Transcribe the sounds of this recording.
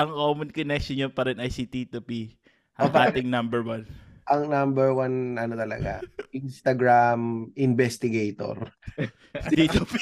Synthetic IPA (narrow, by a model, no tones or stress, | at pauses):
ʔɐŋkomʊnkonɛkʃonjonpɐɾɛnɐjsit̪it̪upi | ʔɐʔaːt̪ɪŋnɐmbɛɹwanʔɐŋnambɛɹwanʔɐnot̪ɐlɐ̰ɡa̰ʔinst̪ɐɡɹamʔɪnbɛst̪ɪɡɛjt̪o̰ɾ | it̪p